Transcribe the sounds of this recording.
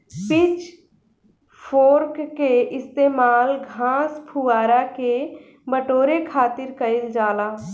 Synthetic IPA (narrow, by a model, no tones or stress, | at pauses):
pɪt͡ʃ | pʰoːɾkkeɪst̪eːmaːlɡʱãːspʰuaːɾake | bəʈoːɾekʰaːt̪ɪɾkəɪld͡ʒaːlaː